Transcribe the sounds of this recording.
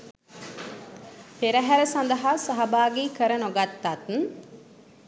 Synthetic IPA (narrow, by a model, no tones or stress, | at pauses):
peɾəɦæɾəsand̪əɦasaɦɐbaːɡekəɾənoɡat̪ːat̪n